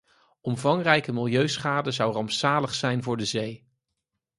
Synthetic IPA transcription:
ɔmvɑŋrɛjkəmɪlˠjøɥsχaːdəzɑwrɑmpsaːləχsɛjnvʊːɹdəzej

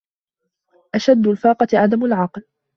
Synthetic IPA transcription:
ʔaʃad̪ːʊlfɑːqɑt̪ʕad̪amalʕɑql

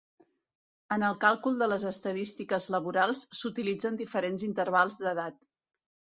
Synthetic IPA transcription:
ənəlˠkalˠkulˠd̪ələzəst̪əðist̪ikəzləβuɾalˠssut̪ilid͡zənd̪ifəɾenzint̪əɾrβ̞alˠzðəðat̪

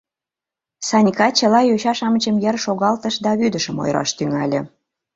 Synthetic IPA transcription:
sɑnʲkɑt͡ɕəlɑjøɕɑʃɑmət͡ɕəmjərʃoɣɑlt̪əʃd̪ɑβyd̪əʃəmo̰jɾɑ̰ʃt̪yŋɑlʲə̆

